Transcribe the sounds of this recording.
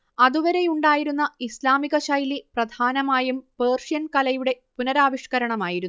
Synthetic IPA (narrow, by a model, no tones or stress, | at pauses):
ɐðuʋɐɾe̞juɳɖaːjiɾunːɐislaːmiɣɐɕɐjliprɐd̪ʱaːnɐmaːjumpeːrʂijɐnkɐlɐjuɽe̞punɐɾaːʋiʂkɐɾɐɳɐmaːjiɾunː